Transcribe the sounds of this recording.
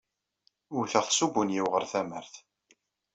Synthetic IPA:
ʊɾθəʁθsubunjiwʁəɾθæməɾθ

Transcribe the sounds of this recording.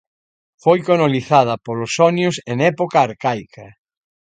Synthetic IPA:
fojkonoliθað̞ɐpolosɔnjʊseŋɛpokaːɾkajkʰɐ

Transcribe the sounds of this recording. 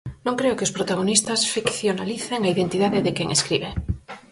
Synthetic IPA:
nõŋkɾeokeospɾot̪aɣ̞onist̪asfikθjonaliθeŋaiðent̪iðaðeðekjeŋʔeskɾiβe

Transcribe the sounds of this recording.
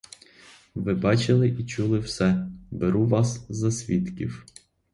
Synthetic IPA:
ʋɪbɑt͡ʃɪlˠɪʔit͡ʃulˠɪwsɛbeɾuʋɑszɐsʲʋʲit̪kʲḭw

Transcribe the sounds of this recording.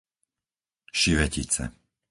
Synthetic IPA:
ʃiʋɛcit͡sɛ̰

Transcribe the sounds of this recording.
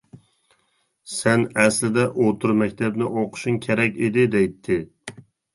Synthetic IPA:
sɛnæslɪd̪ɛʔot̪ʰuɾmɛkʲt̪ʰɛbnɪʔoqʰʊ̥ʃuŋkʲʰeɾɛkʲed̪ɪd̪ɛjt̪ʰːɪ

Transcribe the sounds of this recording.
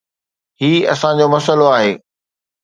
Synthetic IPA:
ɦiːɐ̰sãd͡ʑoːmɐsəloaːɦeː

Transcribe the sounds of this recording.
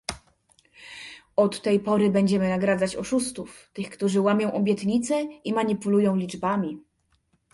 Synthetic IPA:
ɔt̪ːɛjpɔɾɘbɛɲd͡ʑɛmɘnaɡɾad̪zat͡ɕɔʂust̪uft̪ɘxkt̪uʐɘwamʲjɔ̃w̃ʔɔbʲjɛt̪ɲit̪sɛimaɲipulujɔ̃w̃lʲid͡ʐbamʲi

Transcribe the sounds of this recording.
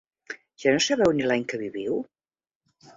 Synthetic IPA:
ʒ̥anosəβɛwnilaɲkəβiβiw

